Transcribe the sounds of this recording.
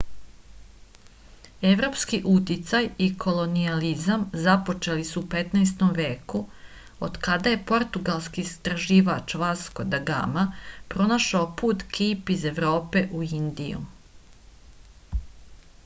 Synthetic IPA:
e̞ʋɾo̞ːpskiʔut̪it̪sajikʰo̞lo̞nializamzapo̞t͡ʃe̞lisuːpe̞t̪naːst̪o̞mʋe̞ːku | o̰d̪kad̪aje̞po̞ɾt̪uɡalˠskiːst̪ɾaʒiːʋat͡ʃʋasko̞d̪aɡa̰mapɾo̞naʃaopuːt̪kiːpize̞ʋɾo̞ːpe̞ʔuind̪ḭjṵ

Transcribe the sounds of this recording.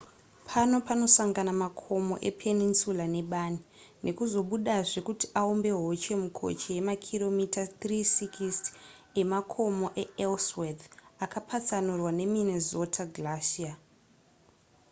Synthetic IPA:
pʰano̞pano̞saŋɡanamakʰo̞mo̞̰ʔe̞̰pʰe̞ninsulane̞ɓaːni | nʔe̞kuzo̞ɓuɗaʐe̞kutiʔaombe̞ɦot͡ʃe̞mukʰo̞̰t͡ʃejemakʰiro̞mitatrisikiste̞makʰo̞mo̞ʔe̞elswed̪akapʰat͡sanurwane̞minezo̞tʰaɡlaʃia

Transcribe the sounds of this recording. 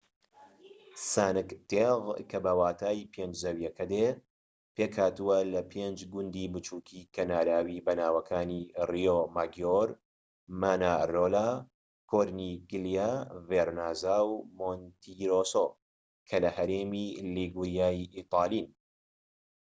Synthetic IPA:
saːnɨkt̪eɣkʰɐbɐwaːt̪ʰaːipʰend͡ʒzɐwjɐkʰɐd̪e | peːkhaːt̪ɨwɐlɐpʰeːnd͡ʒɡʊnd̪iːbɨt͡ʃuːkʰikʰɐnaːɾaːwibɐnaːwɐkʰaːnirijomaːɡjoɾ | maːnaroːla | kʰoɾniɡɨlijaveɾnaːzaːwmont̪ʰiɾoso | kʰɐlɐhɐɾeːmiliɡuɾjaːjʔit̪ˤɑːlin

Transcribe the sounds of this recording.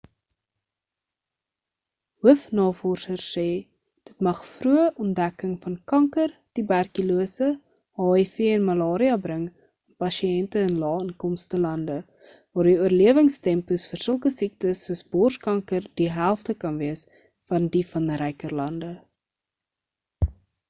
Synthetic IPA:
ɦuəfnɑːfɔrsərsɛː | d̥ətmɐχfruəʔɔndækəŋfɐnkɐŋkərtibærkyluəsə | hɑːɛfiəɛnmɐlɑːɾiɐbrəŋ | ɛnpɐʃiɛntəənlɑːənkɔmstəlɐndə | vɑːrdiuərliəvəŋstɛmpusfərsəlˠkəsik̚təsːuəsbɔrskɐŋkərdiɦælˠftəkɐnviəs | fɐndifɐnɾɛjkərlɐndə

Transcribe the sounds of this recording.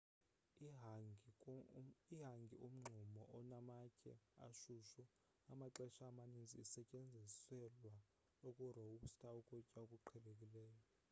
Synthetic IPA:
iɦaŋɡʱiom̩ŋ͡ǃʱumɔʔɔnamakʰʼɛ̰a̰ʃuʃu | amaǃɛʃaːmanind͡zʱiːsɛcʼend͡zʱisɛlwa | okʼuroustʰʼaukʼɔcʼaokʼuǃʰɛɓekʼilɛːjɔ

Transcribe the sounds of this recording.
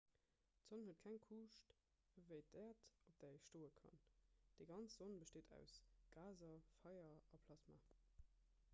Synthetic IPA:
tz̥onhət̚kʰæŋkʰuːʃt | vəɪdɛːɐtop̚d̥æːəçʃtoːəkʰɑ̰nd̥eːɡɑnt͡sz̥onbəʃteːdæ̰ʊsɡ̥aːzɐfɑɪɐɑpʰlɑsma̰ː

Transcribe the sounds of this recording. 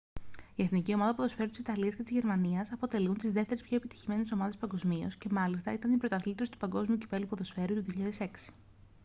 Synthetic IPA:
ie̞θnicio̞mɐðɐpuðosfe̞ɾut̪isit̪ɐliɐsce̞t̪izʝe̞ɾmɐniɐsɐpo̞t̪e̞lunt̪izðe̞ft̪e̞ɾespço̞epit̪i̥çime̞neso̞mɐðe̞spɐŋɡo̞zmio̞̰sce̞mɐlist̪ɐit̪ɐnipɾo̞t̪ɐθlit̪t̪osi̥t̪u̥pɐŋɡo̞zmiuci̥fe̞lupoðo̞sfe̞ɾut̪uðioçiʎɐðe̞se̞ksi̥

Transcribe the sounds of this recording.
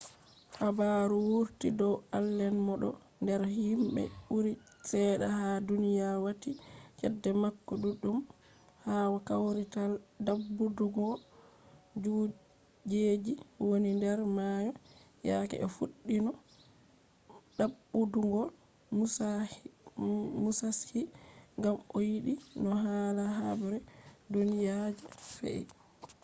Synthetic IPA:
habaɾuwuɾtidɔwalːɛnmɔɗɔ̰ | ndɛɾhimbɛ̰uɾi | sɛɗahadunijawatit͡ʃɛdːɛmakːɔɗuɗːum | haːwakawɾitadabːuduŋɡɔ | d͡ʒu | d͡ʒed͡ʒiwonindɛɾmajɔ | jakɛ̰ɛfuɗːinɔ | ɗabːuduŋɡɔl | musashiŋɡamojiɗinɔɦaːlaɦabɛɾɛdonijad͡ʒɛfɛ̰ʔḭ

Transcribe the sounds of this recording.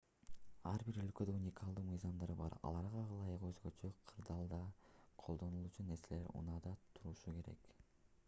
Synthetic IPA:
ɑɾbiɾø̞lkød̪øunʲɪkɑlˠd̪uːmɯjzɑmd̪ɑɾbɑ̰ɾɑ̰lˠɑɾʁɑqɑlˠɑjɯqø̞zɡø̞t͡ʃøqʰɯɾd̪ɑːlˠd̪ɑqʰo̞lˠd̪o̞nulˠut͡ʃune̞ɾse̞le̞ɾṵnɑd̪ɑt̪ʰuɾuʃuke̞ɾe̞̰k

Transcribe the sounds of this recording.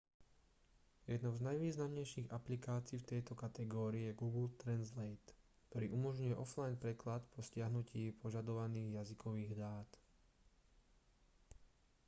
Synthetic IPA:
jɛd̪nɔʊznajʋiːznamɲɛjʃiːɣaplikaːt͡siːft̪ɛjt̪ɔkat̪ɛɡɔːɾiɛɡuːɡlt̪ɾɛnzlɛjt̪kt̪ɔɾiːʔumɔʒɲujɛʔɔflajnpɾɛklat̪pʰɔscɪaɦnuciːpʰɔʒad̪ɔʋaniːɣjazikɔʋiːɣd̪aːt̪

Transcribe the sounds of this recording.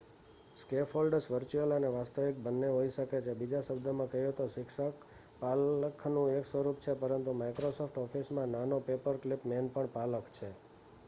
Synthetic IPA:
skefʰolɖəɾsʋəɾt͡ʃuələneʋast̪əʋɪk̚bənːeɦoiʃəket͡ʃʰebid͡ʒaʃəbd̪ʱəmãkəɦijõt̪osɪks | paləkʰnũeksʋəɾupt͡ʃʰepəɾənt̪umajkɾosɔfʰʈɔfʰismãnanopepəɾklipmenpəɳpaləkʰt͡ʃʰe

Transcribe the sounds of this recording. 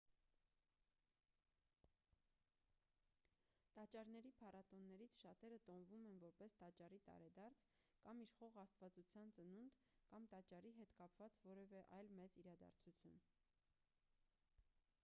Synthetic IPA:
t̪ɑt͡ʃɑɾnɛɾipʰɑrɑt̪ɔnːɛɾit͡sʰʃɑt̪ɛɾət̪ɔnvumɛnvɔɾpɛst̪ɑt͡ʃɑrit̪ɑ̰ɾɛd̪ɑɾt͡sʰ | kɑmiʃχɔʁɑst̪vɑt͡sut͡sʰjɑnt͡sənund̪ | kɑmt̪ɑt͡ʃɑriɦɛt̪kɑpv̥ɑt͡svɔɾɛvɛʔɑjlmɛt͡siɾɑd̪ɑ̰ɾt͡sʰut͡sʰjun

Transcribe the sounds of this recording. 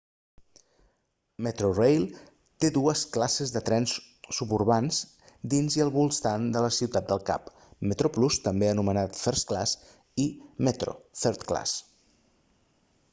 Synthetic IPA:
mət̪ɾorejlˠ | t̪eðuəsklasəzðət̪ɾɛnsː | upuɾβanz | d̪inziəlˠβulˠst̪and̪ələsiwt̪at̪̚d̪əlˠka̰p | mət̪ɾoplust̪əmbeənumənat̪fəɾsklas | imət̪ɾo̰fɛɾt̪kla̰s

